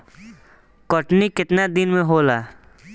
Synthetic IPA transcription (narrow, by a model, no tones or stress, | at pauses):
kəʈnikɪt̪nad̪ɪnmẽɦoːlaː